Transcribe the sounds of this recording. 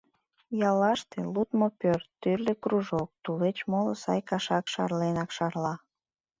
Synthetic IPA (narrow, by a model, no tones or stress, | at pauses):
jɑlːɑʃt̪elut̪mopørt̪ːyrlekruʒok̚t̪ulet͡ɕmolosɑ̰jkɑʃɑkʃɑ̰rlenɑkʃɑrlɑ